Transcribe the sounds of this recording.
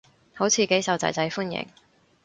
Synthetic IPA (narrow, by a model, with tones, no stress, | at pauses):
ho˨˥wt͡sʰiː˨˧ke˨˥jsɐ˨wt͡sɐ̰˨˧jt͡sɐ˨˥jfuː˥njɪ̰˨˩ŋ